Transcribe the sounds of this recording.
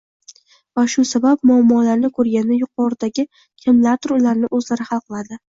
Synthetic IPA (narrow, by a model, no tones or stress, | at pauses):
vaʃʊsabap̚mʊamːɒlaɾnɪkʰɵɾɡʲanɪjʊqʰɒɾɪd̪aɡʲɪ | kʲʰɪmlaɾt̪ʰʊɾʊlaɾnɪʔɵzlaɾɪhɑlˠqʰɨlˠad̪ɪ